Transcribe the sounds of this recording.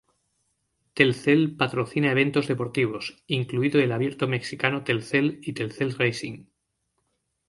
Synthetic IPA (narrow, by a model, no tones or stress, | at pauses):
t̪e̞lθe̞lpat̪ɾo̞θinae̞β̞ẽ̞nt̪o̞zðe̞po̞ɾt̪iβ̞o̞siŋkluiðoelaβje̞ɾt̪ome̞ksikanot̪e̞lθelit̪elθelrejsiŋ